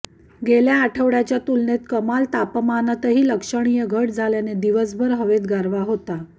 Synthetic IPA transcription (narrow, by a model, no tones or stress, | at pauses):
ɡeljaːʈʰəʋɽat͡ɕjat̪ulnet̪kəmalt̪apmanət̪əɦiːləkʂəɳ̃ijəɡʱəʈ̚d͡zʱaljaned̪iʋəs̬bʱəɾɦəʋed̪ɡaɾʋaɦot̪a